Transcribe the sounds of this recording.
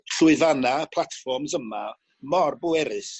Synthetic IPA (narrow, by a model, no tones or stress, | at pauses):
ɬʊɨvanapʰlˠatfɔrmzəma | mɔrbʊɛɾɨs